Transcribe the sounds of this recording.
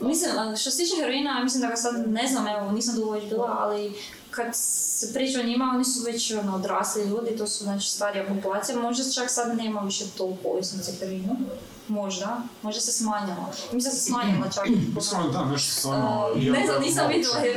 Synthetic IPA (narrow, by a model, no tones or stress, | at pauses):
misliməʃt̪oset̪iːt͡ʃexəɾʋinajamislimd̪aɡasad̪neznameoniːs̬amd̪ooʋed͡ʒbiːlˠaʔa̰li | kad̪sepɾiːt͡ʃuoɲimao̞nisuʋet͡ɕonood̪ɾaːsliʎuːd̪it̪oːsuznaːt͡ʃi̥st̪aːɾijapopulˠaːt̪sijamo̞ʒd̪at͡ʃaksad̪ne̞ːmaʋiʃet̪ouko̰jisnit̪sixəɾʋiːnu | mo̞ʒd̪amo̞ʒd̪ase̞smaːɲala̰misiasesmaːɲilat͡ʃaksaot̪anɛʃt̪o̥sanezaniːsamʋit̪ae